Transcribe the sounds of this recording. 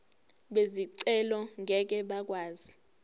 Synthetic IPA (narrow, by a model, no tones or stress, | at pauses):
ɓeziǀɛlɔŋʱɛk̬ʼɛɓak̬ʼwaːzi